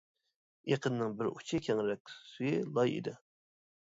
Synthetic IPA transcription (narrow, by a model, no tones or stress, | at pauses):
eqʰənːɪŋbɪɾut͡ʃʰikʲʰɛŋɾɛk̚ʲsyjilˠɑjḭd̪ɪ